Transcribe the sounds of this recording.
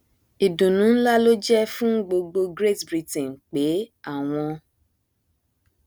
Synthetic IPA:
i˨dũ˨nũ˨˦n̩˦la˦lo˦d͡ʒɛ˦fũ˦ɡ͡bo˧ɡ͡bo˧ɡɾe˦˨tbɾi˧tɛ̃˨n˨k͡pe˨˦a˦˨w̃ɔ̃˧

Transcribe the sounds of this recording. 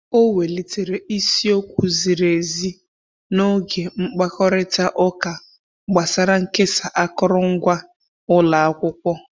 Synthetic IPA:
o˦we˨li˨te˨ɾe˨ʔi˦si˦o˦kʷu˨zi˨ɾe˨zi˦ | no˦ɡe˨ŋ͡m̩˦k͡pa˦kɔ˦ɾɪ˦ta˦ʔɔ˦ka˨ | ɡ͡ba˨sa˦ɾa˦ŋ̩˦ke˦sa˨ʔa˦kɔ˦ɾɔ˦ŋ̩˦ɡʷa˦ | ʊ˦la˨a˦kʷʊ˦kʷɔ˦

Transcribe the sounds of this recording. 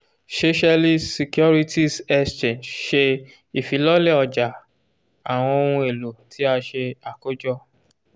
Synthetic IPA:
se˦ʃa˧li˦si˨kjɔ˦ɾi˦tʰi˦sɛ˦st͡ʃẽ˨nd͡ʒʃe˧ | i˨fi˨˦lɔ˦le˦˨ɔ˨d͡ʒa˨ | a˨w̃ɔ̃˧o˧hũ˧e˨lo˨tʰi˨˦a˧ʃe˧a˨ko˦d͡ʒɔ˦˨

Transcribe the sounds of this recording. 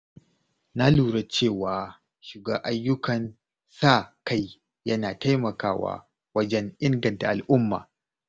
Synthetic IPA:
na˦luː˨ɽɐ˦t͡ʃeː˦˨waː˨ | ʃɪ˨ɡaː˦ʔa˦jːʊ˦kɐ˨n | saː˦˨ka˦j | jɐ˦naː˨ta˦jmɐ˨kaː˦wa̰ː˦ | wɐ˦d͡ʒɛ˦ŋʔɪ˦ŋɡɐ˨nta˨ʔa˨lʔʊ˦mːa̰ː˨

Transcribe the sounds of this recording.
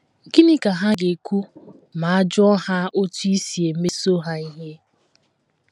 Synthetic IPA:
ɡi˦ni˦ka˨ɦa˦ɡe˨kʷu˦ | ma˨a˦d͡ʒɔ˦ha˦ʔo˦tu˦i˦si˨e˨˦me˦so˦ɦa˦i˦ɦe˦

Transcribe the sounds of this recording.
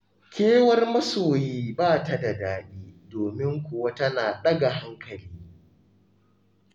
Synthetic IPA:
kʲeː˦wɐ˦rmɐ˦soː˨jiː˦baː˦˨ta˦da˨daː˦ɗiː˦doː˨mɪ˦ŋkʷʊ˨wa˦tɐ˦naː˨ɗɐ˦ɡa˨ɦa˦ŋkɐ˨liː˦

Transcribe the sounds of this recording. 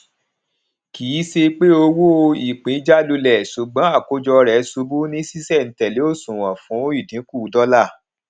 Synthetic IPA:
kiː˨˦se˧k͡pe˦o˧wo˦˧i˨k͡pĩ˨˦d͡ʒa˦lu˧lɛ˨so˨ɡ͡bã˨˦a˦˨ko˨˦d͡ʒɔ˧ɾɛ˨˦su˧bu˦nĩ˦si˦sɛ˦˨n̩˨˦tɛ˨le˨˦o˦˨sũ˨wã˨fũ˨˦i˦˨dĩ˨˦ku˦˨dɔ˦la˦˨

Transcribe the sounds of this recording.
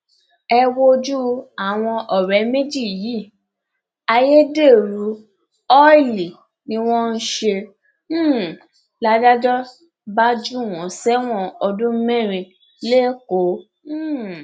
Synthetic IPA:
ɛ˧wo˧d͡ʒu˦a˨w̃ɔ̃˧ʔɔ˨ɾɛ˨˦me˦d͡ʒi˦˨jiː˨˦˨ | a˧je˦de˦˨ɾu˨˦ | ɔ˦i˦˨li˨ | nĩ˦w̃ɔ̃˦n̩˦ʃẽ˧˦˨ | la˦da˦d͡ʒɔ˦ | ba˦d͡ʒu˦˨w̃ɔ̃˨˦sɛ˦w̃ɔ̃˦˨ɔ˧dũ˦mɛ̃˦˨ɾ̃ĩ˧ | le˦kõ˨˦˨

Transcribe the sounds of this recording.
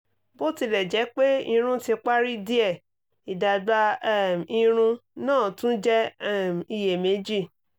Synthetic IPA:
bo˦ti˧lɛ˨d͡ʒɛ˨˦k͡pe˦i˧ɾ̃ũ˦tĩ˧k͡pa˦ɾi˦di˦ɛ˦˨ | i˨da˨˧ɡ͡ba˧˦˨ĩ˧ɾ̃ũ˧nãː˦˨tũ˦d͡ʒɛ˦m˨i˧je˨me˨˦d͡ʒi˦˨

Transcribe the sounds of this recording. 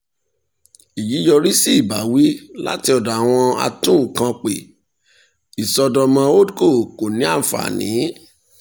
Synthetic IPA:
i˨ji˨˦jɔ˧ɾi˦si˦i˦˨ba˨˦wi˦la̰˦ti˧ɔ˨da˨a˨w̃ɔ̃˧a̰˧tũ˦˨kã˧k͡pe˨ | i˨sɔ˧dɔ˧mã˧o˦dko˦˨ko˨nĩ˨˦a˦˨fa̰˨nḭ̃˨˦

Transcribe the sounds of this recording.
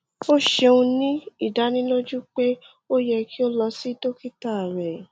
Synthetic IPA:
o˦ʃe˧ũ˧nĩ˦i˦˨da˨˦nĩ˦lo˦d͡ʒu˦k͡pe˦ | o˦jɛ˧ki˦o˦lɔ˧si˦to˦ki˦ta˦˨ɾɛ˨

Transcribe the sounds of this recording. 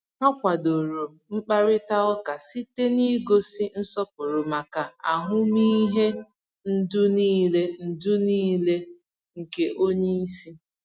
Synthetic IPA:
ha˦kʷa˨do˨ɾo˨ | ŋ͡m̩˦k͡pa˦ɾɪ˦ta˦ɔ˦ka˨si˦te˦ni˦ɡo˦si˦n̩˦sɔ˦p̚ʊ˨ɾʊ˨ma˨ka˨a˨ɦʊ˦mi˦ɦe˦ | n̩˦dʊ˦niː˦le˦n̩˨dʊ˦niː˦le˦ | ŋ̩˨ke˦ʔo˦ɲe˦n̩˦si˦

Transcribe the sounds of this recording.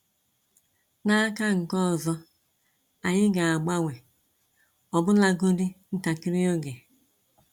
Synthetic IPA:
na˦ka˦ŋ̩˨kɔ˦˨zɔ˦ | a˨ɲɪ˦ɡa˨a˨ɡ͡ba˦ŋʷe˨ | ɔ˨bʊ˦la˦ɡo˦di˦n̩˦ta˨ki˦ɾi˦o˦ɡe˨

